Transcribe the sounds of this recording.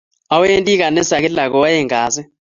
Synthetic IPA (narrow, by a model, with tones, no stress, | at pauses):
a˨we˦ntʼi˦k̬a˨nɛ˦sa˨k̬ɛ˦la˨kɔ˨wa˦jɛ˦ŋaː˨sɛ˦